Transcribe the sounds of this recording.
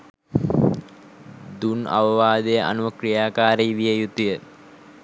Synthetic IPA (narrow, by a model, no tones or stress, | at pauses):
d̪unɐ̰ʋɐʋaːd̪ejəʔa̰nuʋɐkrijaːkaːɾeiʋijɐjut̪ːujə